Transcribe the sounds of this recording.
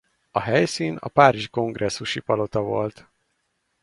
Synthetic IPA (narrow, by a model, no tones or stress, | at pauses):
ɒɦɛjsiːnɒ̰paːɾiʒiko̞ŋɡrʔɛsːuʃipɒlo̞t̪ɒvo̞̰lt̪